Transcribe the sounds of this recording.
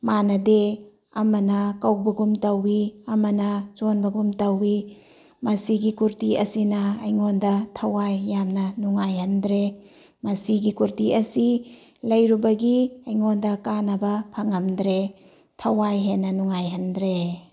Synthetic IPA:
manɐde | ɐmɐnɐkɐwbɐɡumtɐwiɐmɐnɐt͡ʃonbɐɡumtɐwi | mɐsiɡikuɾtiɐsinɐɐjŋondɐtʰɐwajːamnɐnuŋajhɐndɾe | mɐsiɡikuɾtiɐsi | lɐjɾubɐɡiɐjŋondɐkanɐbɐpʰɐŋɐmdɾe | tʰɐwajɦenːɐnuŋajɦɐndɾe

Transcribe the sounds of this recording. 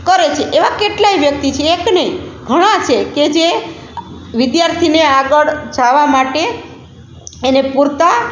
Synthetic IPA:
kəɾet͡ʃʰeʔeʋakeʈlaiʋjək̚t̪it͡ʃʰeːknəiɡʱəɽ̃ãt͡ʃʰeked͡ʒe | ʋid̪jaɾt̪ʰineaɡəɽd͡ʒaʋamaʈe | enepuɾt̪a

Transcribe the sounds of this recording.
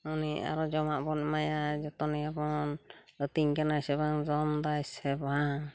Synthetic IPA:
unia̰ɾɔd͡ʒɔmaʔbɔnmajazɔt̪ɔniabɔnɔt̪iŋkanajsɛbaŋzɔmd̪ajsɛbaŋ

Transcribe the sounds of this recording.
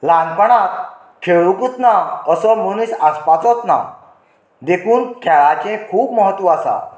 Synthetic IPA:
lãnpəɽat̪ | kʰeɭukut̪naəsɔmuñiɕaspat͡sɔt̪na̰ | d̪ekʰuːnkʰɛɭat͡ɕẽkʰuːpməɦət̪ːʋɔasa̰

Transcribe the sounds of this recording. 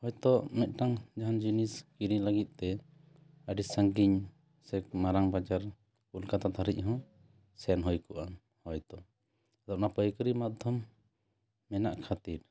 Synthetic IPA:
hɔjt̪ɔʔmɛt̪̚ˀʈaŋd͡ʒaɦand͡ʒiniskiɾiləɡit̪̚t̪ɛ | əɖisəŋɡiɲ | sɛk̚maɾaŋbad͡ʒaɾ | ulkat̪at̪ʰaɾic̚ˀɦɔ̃ | sɛnɦɔjkɔʔam | hɔjt̪ɔʔ | d̪ɔʔnapɔjkɾimad̪ʱɔmː | ɛnaʔkʰat̪iɾ

